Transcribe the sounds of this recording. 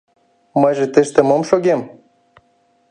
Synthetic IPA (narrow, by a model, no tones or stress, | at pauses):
mɤjʒĕt̪əʃt̪ə̆momʃoɣem